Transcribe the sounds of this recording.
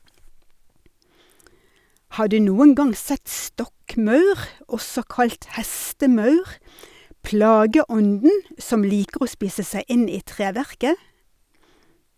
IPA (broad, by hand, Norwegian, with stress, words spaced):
ˈhɑː ˈɖʉː ˈnuːən ˈɡɑŋ ˈsɛt ˈstɔkˌmɑʉʁ ˈɔsɔ ˈkɑʎt ˈhæstəˌmɑʉʁ ˈpɽɑːɡəˌɔndn̩ ˈsɔm ˈliːkəʁ ˈoː ˈspiːsə ˈsæɪ ˈɪn ˈiː ˈtʁeːʋæʁkə